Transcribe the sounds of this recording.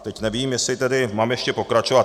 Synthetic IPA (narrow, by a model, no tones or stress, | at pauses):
t̪ɛcnɛviːmjɛsɪt̪ɛdɪmaːmjɛʃcɛpo̞kɾat͡ʃo̞vat̪